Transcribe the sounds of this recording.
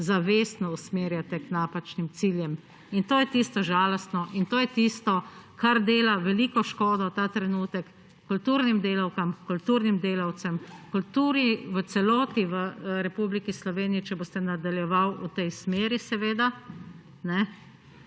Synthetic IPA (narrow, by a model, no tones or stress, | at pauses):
zaʋeːsnɔusmeːɾjat̪ɛknaːpat͡ʃnimsiːljɛm | int̪oːjɛt̪ist̪ɔʒaːlɔst̪nɔʔint̪oːjɛt̪ist̪ɔkʰaɾd̪eːlaʋɛliːkɔʃkoːd̪ɔt̪aːt̪ɾɛnuːt̪ɛkː | ult̪uːɾnimd̪eːlawkamkult̪uːɾnimd̪eːlawt̪sɛmkult̪uːɾniʋət̪sɛlɔːt̪iʋəɾɛpublikislɔʋeːnijit͡ʃɛboːst̪ɛnad̪aljɛʋawut̪ɛjsmeːɾisɛʋeːd̪a | nɛ